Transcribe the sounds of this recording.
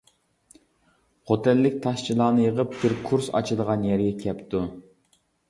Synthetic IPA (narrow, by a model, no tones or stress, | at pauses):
χʰot̪ʰɪlːɪk̚ʲt̪ʰɑʃt͡ʃʰilˠɑːnɨjəʁəp̚b̥ɪɾkʰuɾsɑ̰t͡ʃʰilˠəʁɑnjɛɾɡʲɛkʲʰɛpt̪u